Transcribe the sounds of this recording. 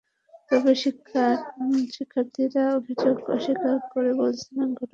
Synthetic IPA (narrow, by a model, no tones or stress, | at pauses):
pɔbeʃikʰːaʃikʰːapt̪ʰiɾaobʱid͡ʑoɡɔ̰ʃikaɾkoɾebolt͡ɕʰilenɡʱɔʈo